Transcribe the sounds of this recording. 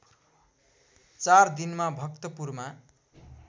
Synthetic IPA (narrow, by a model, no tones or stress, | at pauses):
t͡sard̪inmabʱʌk̚t̪ʌpurma